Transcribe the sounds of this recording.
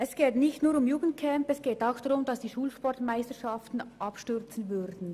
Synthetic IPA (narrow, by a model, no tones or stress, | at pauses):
ʔɛsɡ̥eːtnɪçtnuːɾʊmjuːɡən̩t̚kʰɛmpɛsɡ̥eːtaʊxd̥ɑʁʊmd̥ɑsd̥iːʃuːlʃpɔɾtmaɪstəʃɑftn̩ʔɑpʃtʏʁt͡sn̩vʏɾdn̩